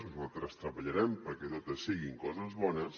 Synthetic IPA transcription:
uzalt̪ɾɐst̪ɾɐβaʎaɾɛmpɐɾket̪ot̪ɐsːiɣiŋkɔzɐzβɔnɐs

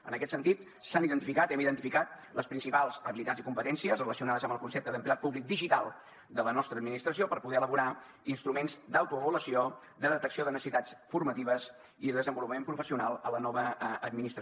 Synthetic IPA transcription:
ə̰nəkɛt̪sənt̪it̪ | saniðənt̪ifikat̪ɛmiðənt̪ifikat̪̚ləspɾinsipalˠzəβilit̪ad͡zzikumpət̪ɛnsiəzrələsiunaðəzəmbəlˠkunsɛp̚t̪əðəmplat̪̚puβlik̚d̪iʒit̪alˠ | d̪ələnɔst̪ɾəd̪minist̪ɾəsiopəɾpuɣɛələβuɾa | inst̪ɾumenzd̪əwt̪uəβuləsio | d̪əðət̪əksioðənəsəsit̪at͡sfurmət̪iβəz | iðəðəzəmbulupəmẽmpɾufəsiunalˠələnɔβəːd̪minist̪ɾə

